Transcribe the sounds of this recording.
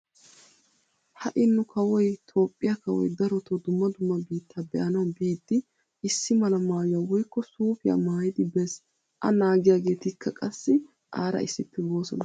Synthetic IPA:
hɐʔɪnːʊkʰɐwɔjt̪ʰo̞ːpʼːɪjakɐwɔ̰jd̪ɐɾɔt̪od̪ʊmːɐd̪ʊmːɐbiːt̪ːaːbɛʔɐnɐwbiːd̪ːɪ | ɪsːɪmɐlɐmaːjɐwɔjkːɔsuːfɪja̰maːjɪd̪ɪbɛs | ʔɐ̰naːɡɪjaːɡe̞ːt̪ɪkːɐkʼɐsːɪ | ʔaːɾɐ̰ɪsːɪpːɪbo̞ːsɔ̰nɐ

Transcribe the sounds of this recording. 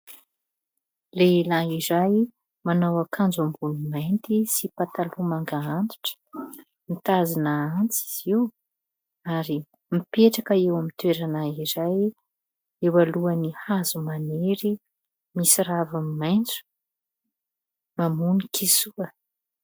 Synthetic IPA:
lelaiɾaj | manawakʰand͡zambunumajnt̪isipat̪alumaŋɡaant̪u̥ʈ͡ʂə̥ | mit̪azinaant͡si̥z̥iw | aɾi | mipeʈ͡ʂakəewamit̪weɾanaiɾaj | ewaluanihazumaneɾi | misiɾavamimajnt͡su̥ | mamunikʰisuə

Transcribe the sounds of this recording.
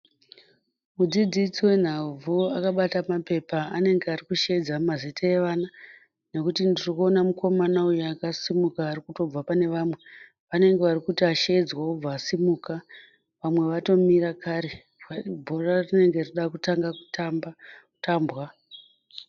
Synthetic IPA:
mud͡zid͡zit͡siwe̞n̤avʱuakaɓatamape̞paːne̞ŋɡearikuʃeid͡zamazitʰaeʋana | ne̞kutindiriko̞namukʰo̞manaujaakasimukaːrikuto̞b͡vapane̞ʋamwe̞ | ʋane̞ŋɡe̞ʋarikutiaʃeid͡zwaub͡vaːsimuka | ʋamwe̞ʋato̞miɾakʰaɾe | abʱo̞rarine̞ŋɡe̞riɗakutaŋɡakutamautaːmbwa

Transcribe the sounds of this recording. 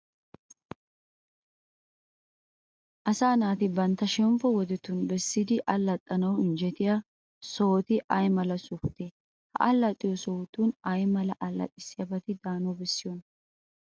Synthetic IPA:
ʔɐsaːnaːt̪ɪbɐnt̪ːɐʃɛmfɔwɔd̪ɛt̪ːʊnbɛsːɪd̪ɪʔɐlːɐt̪ʼːɐnɐwɪnd͡ʒɛt̪ɪja | soːt̪ɪʔɐjmɐlɐsʊft̪ɛ | hɐ̰ʔɐlːɐt̪ʼːɪjɔsɔt̪uːnɐjmɐlɐʔɐlːɐ̰t̪ʼɪsːɪjɐbɐt̪ɪd̪aːnɔbɛsːɪjɔn

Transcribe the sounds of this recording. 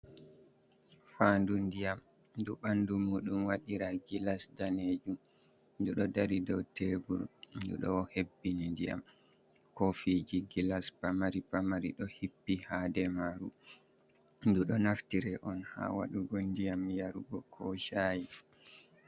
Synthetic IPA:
faːndundijam | duɓandumuːɗumwaɗiɾaɡilasdaned͡ʒum | nduɗɔdaɾidɔwtʰebuɾdṵɗɔ̰hebːinindija̰m | kofid͡ʒiɡilaspamaɾipamaɾḭɗɔhipːihaːdɛmaɾu | nduɗɔnaftiɾɛʔɔnha̰ːwa̰ɗuɡɔndijamjaɾuɡɔkʰɔʃaːji

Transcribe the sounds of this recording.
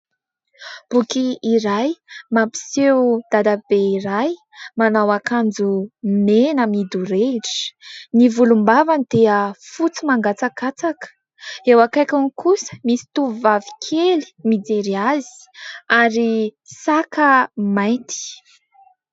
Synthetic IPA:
b̥ukiːɾajmapi̥sewd̪̥ad̪ab̥eiɾaj | manawakand͡zumenəmid̪uɾeʈ͡ʂi̥nivulumbavanid̪̥eəfut͡simaŋɡat͡sakat͡sakə̥ | ewakajkankusə̥misi̥t̪uvvavi̥kʰeli̥mid͡zeɾiazi̥ | aɾisakəmaj̪t̪i̥

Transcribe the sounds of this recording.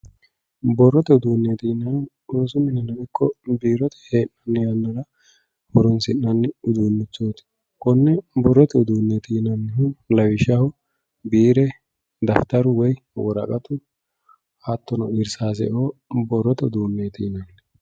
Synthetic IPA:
bɔrːɔt̪ɛʊd̪uːnːeːt̪iːnɐn | oːsʊmɪnɐnɐɡɪkːɔbiːɾɔt̪ʰɛ̥heːnːɐnːɪjɐnːɐɾɐ | hʊɾɔnsɪnːɐnːɪʊd̪uːnːɪt͡sːoːt̪ɪ̥ | kɔnːɛbɔrːɔt̪ɛʊd̪uːnːeːt̪iːnɐnːɪhʊlɐwɪʃɐhʊ | biːɾɛ | d̪ɐft̪ɐɾʊwɔj | wɔɾɐ̰kʼɐt̪ʊ | at̪ːɔnɔ̰ɪɾsaːs̬ɛ̰ʔoːbɔrːɔt̪ɛd̪uːnːeːt̪iːnɐn

